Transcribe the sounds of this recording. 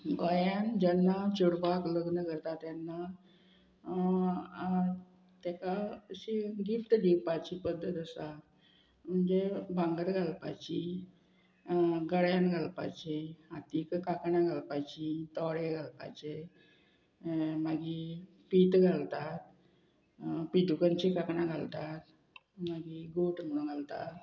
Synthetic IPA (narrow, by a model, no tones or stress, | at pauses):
ɡɔjãnd͡ʑənːat͡ɕuɽpakləɡnəkəɾt̪at̪janːa | t̪akaəɕiɡift̪ɡ̪iwpat͡ɕipəd̪ʱːət̪əsa | m̤əɳd͡zebãŋɡəɾɡʱalpa̰t͡ɕi | ɡəɽjãnɡʱalpa̰t͡ɕeat̪ikkakɳãɡʱalpajt͡ɕit̪ɔɽeɡʱalpa̰jt͡ɕe | maɡi | pit̪ɡʱalt̪at̪̚ | pid̪ukənt͡ɕikakɳãɡʱalt̪at̪ | maɡiɡoʈm̤əɽunɡʱalt̪a̰t̪